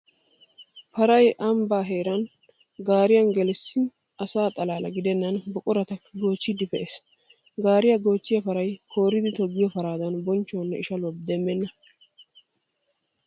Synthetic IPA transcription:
pɐɾɐjʔɐmbaːɦe̞ːɾɐn | ɡaːɾɪjɐnɡɛlɛsːɪ | ɐsaːt̪ʼɐlaːlɐ̰ɡɪd̪ɛnːɐnbɔkʼʊɾɐt̪ɐɡo̞ːt͡ʃːɪd̪ɪfɛʔeːs | ɡaːɾɪjɐɡo̞ːt͡ʃːɪjɐpɐɾɐjkʰo̞ːɾɪd̪ɪt̪ɔɡːɪjɔfɐɾaːd̪ɐnbɔnt͡ʃːonːɛɪʃɐlʊwɐbd̪ɛmːɛnːɐ

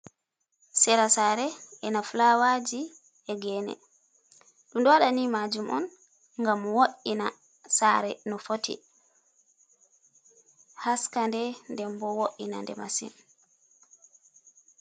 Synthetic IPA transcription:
sɛɾasaɾɛɛnafulawad͡ʒi | ɛɡɛːnɛ̰ | ɗumdɔwaɗanimad͡ʒumʔɔ̰n | ŋɡamwoʔina̰ | saɾɛnɔfotḭ | haskandɛndɛmbɔwoʔina̰ndɛ̰masḭn

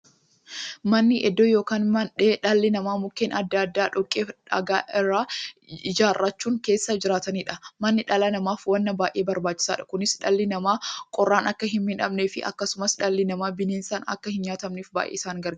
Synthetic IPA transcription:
mɐnːɪʔɛd̪ːoːjo̞ːkaːnmɐnᶑeːᶑɐlːɪnɐmaːmʊkːeːnɐd̪ːɐːɐd̪ːaːᶑɔkʼːeːfᶑɐ̰ɡaːʔɪrːaːɪd͡ʒaːrːɐt͡ʃːuːŋke̞ːsːɐd͡ʒɪɾaːt̪ɐniːᶑɐmɐnːɪᶑɐlɐnɐmaːfwɐnːɐbaːjʔeːbɐɾbaːt͡ʃːɪ̥sa̰ːᶑɐ̥kʊnɪsᶑɐlːɪnɐmaːkʼɔrːaːnɐkːɐɦɪmmɪnɐbneːfɪʔɐ̰kːɐsʊmɐsᶑɐlːɪnɐmaːbɪneːnsaːnɐ̰kːɐhɪnɲaːt̪ɐmniːfba̰ːʔḛːsaːŋɡɐɾɡ

